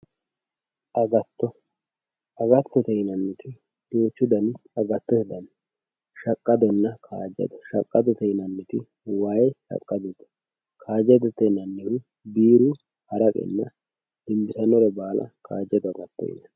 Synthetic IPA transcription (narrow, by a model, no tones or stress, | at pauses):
ʔɐɡɐt̪ːɔ | ʔɐɡɐt̪ːɔt̪ɛjnɐnːɪt̪ɪ | joːt͡ʃːʊd̪ɐnɐɡɐt̪ːɔɛd̪ɐn | ʃɐkʼːɐd̪ɔnːɐkʰa̰ːd͡ʒɛ̰d̪ɔʃɐkʼːɐd̪ɔt̪ɛjnɐnːɪt̪ɪ | waːjʃɐ̰kʼːɐd̪ɛd̪ɐ̥ | kʰaːd͡ʒɛd̪ɔt̪ɛnɐnːɛwɪ | biːɾu | hɐɾɐkʼɛ̰nːɐ | d̪̥ɪmbɪsɐnɔɾɛbaːlʔɐ̰kʰa̰ːd͡ʒɛd̪ɐɡɐt̪ːɔ̰jɪ̰nɐ